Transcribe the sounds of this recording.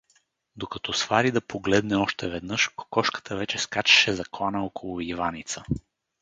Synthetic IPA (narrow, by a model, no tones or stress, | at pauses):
d̪okɐt̪ɔsvaɾid̪ɐpʰoɡlɛd̪nɛɔʃt̪ɛvɛd̪nɤʃkkɔʃkə̥t̪əvɛt͡ʃɛskat͡ʃɛ̥ʃɛzɐklˠanəɔkolˠʊivanit̪sə